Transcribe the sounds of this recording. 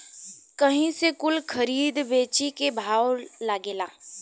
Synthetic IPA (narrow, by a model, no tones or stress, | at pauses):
kɐɦĩsekʊlkʰɐɾiːd̪beːt͡ʃikebʱaːwlaːɡeːlaː